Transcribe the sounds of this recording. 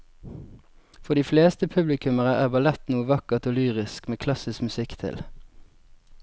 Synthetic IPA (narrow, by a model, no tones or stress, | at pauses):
fɔʁd̪iːfleːst̪əpʰʉblɪkʰʉməʁəʔæːʁbɑlɛt̪nuːəʋɑkəʁt̪oːlyːʁɪskmeːkʰlɑsɪskmʉsɪkt̪ʰɪ̰l